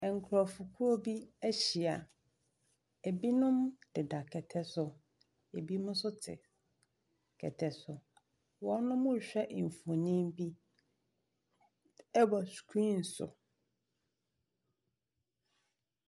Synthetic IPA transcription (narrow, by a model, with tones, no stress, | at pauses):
ɛ˨ŋ̩˨kʰɾɔ˨fu˨kʰu˦o˦bi˦æ˦ɕi˨a˨ | e˨bi˦nʊ̃˦md̥ɪ˨da˨kʰɛ˨tʰɛ˦sʊ˨ | e˨bi˦mʊ̃˦sʊ˦tʰɪ̰˨ | kʰɛ̰˨tʰɛ˨sʊ˨ | wɔ˨˦nʊ̃˦mʊ̃˦˨ɕᶣɛ˦ʔ̩˨fo˨nĩ˦mbi˦ | ɛ˦bɔ˨skʰi˦n̩˨sʊ̰˨